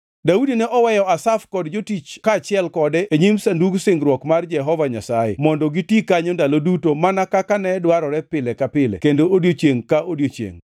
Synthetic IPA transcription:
daudinɛʔɔwɛjɔasafkɔdd͡ʒotit͡ʃkaːt͡ʃɪɛlkɔdɛeɲimsanduɡsɪŋɡɾwɔkmard͡ʒɛɦɔvaɲasajḛmɔndɔɡitikaɲondalodutomanakakanɛdwaɾɔɾɛpɪlɛkapɪlɛ̰kendoodjot͡ʃjeŋkaʔodjot͡ʃjḛŋ

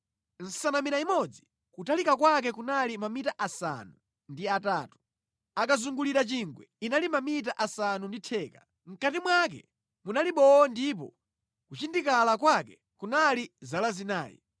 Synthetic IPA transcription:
n̩sanamiɾaimɔd͡zi | kutalikakwak̬ɛkunalimamitaʔasa̰nu | ndiataːtu̥ | akazuŋɡuliɾat͡ʃiŋɡwɛ̰inalimamit̬aʔasanunditʰɛːka | m̩katimwakɛ̰ | munaliɓɔɔndip̬ɔ̰ | kut͡ʃindikalakwakɛ | kunalizalazinaːjḭ

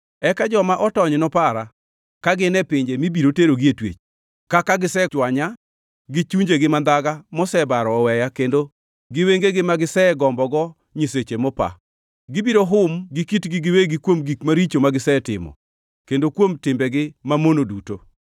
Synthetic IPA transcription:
ɛkad͡ʒɔmaʔɔtɔɲnɔpaɾa | kaɡɪnɛpɪɲd͡ʒemibiɾoteɾoɡietwḛt͡ʃ | kakaɡɪsɛt͡ʃwaɲa | ɡɪt͡ʃuɲd͡ʒeɡɪmand̪aɡamɔsɛbaɾɔːwɛjakendo | ɡɪweŋɡeɡɪmaɡɪsɛɡɔmbɔɡɔ | ɲiset͡ʃemɔpa̰ | ɡɪbiɾoɦʊmɡɪkitɡɪɡɪweɡɪkwomɡikmaɾit͡ʃomaɡɪsɛtɪ̰mɔ̰ | kendokwomtɪmbɛɡɪmamonoduto

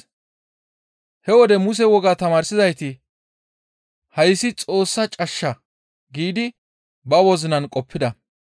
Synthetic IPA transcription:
hɛwɔd̪ɛmʊs̬ɛwɔɡaːt̪ɐmaːɾsɪzɐjt̪ɪ | hɐjsːɪt͡sʼo̞ːsːɐt͡ʃʼɐʃːɐ | ɡiːd̪ɪ | bɐwɔzɪnɐnkʼɔpːɪd̪ɐ

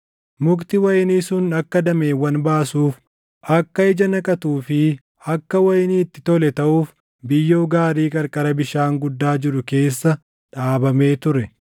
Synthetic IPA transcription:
mʊkt̪ɪwɐjniːsʊnɐkːɐd̪ɐmeːwːɐnbaːsuːf | ʔɐkːɐɪd͡ʒɐnɐkʼɐt̪uːfɪ | ɐkːɐwɐjniːt̪ːɪt̪ɔlɛt̪ɐʔuːf | bɪjːoːɡaːɾiːkʼɐɾkʼɐɾɐbɪʃaːŋɡʊd̪ːaːd͡ʒɪɾʊke̞ːsːɐ | ᶑaːbɐme̞ːt̪ʊɾɛ

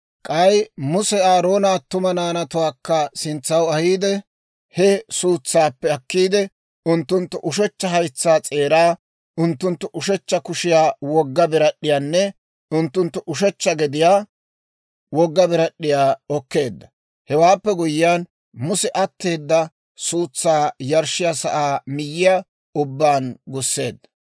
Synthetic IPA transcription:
kʼɐjmʊsɛaːɾo̞ːnaːt̪ːʊmɐnaːnɐt̪ʊwaːkːɐsɪnt͡sːɐwɐhiːd̪ɛ | hɛsuːt͡sːaːpːɛɐkːiːd̪ɛ | ʊnt̪ːʊnt̪ːʊʔʊʃ̬ɛt͡ʃːɐɦɐjt͡sːaːt͡sʼe̞ːɾaː | ʊnt̪ːʊnt̪ːʊʔʊʃɛt͡ʃːɐkʊʃɪjaːwɔɡːɐbɪɾɐɗːɪjaːnːɛ | ʊnt̪ːʊnt̪ːʊʔʊʃ̬ɛt͡ʃːɐɡɛd̪ɪjaː | wɔɡːɐbɪɾɐɗːɪjaːɔkːe̞ːd̪ːɐ̥ | hɛwaːpːɛɡʊjɪjaːn | mʊsɛʔɐt̪ːeːd̪ːɐ | suːt͡sːaːjɐɾʃɪjasɐʔaːmɪjːɪja | ʊbːaːnɡʊsːe̞ːd̪ːɐ̥

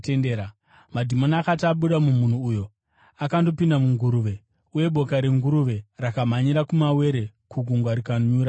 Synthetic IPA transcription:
tendeɾa | madʱimonakataɓuɗamum̤un̤uːjo̞ | akando̞pindamuŋɡuɾuʋe̞ | uje̞ɓʱo̞kaɾeŋɡuɾuʋe̞rakamaɲiɾakumawe̞ɾe̞kuɡʱuŋɡwaɾikaɲɲuːɾa

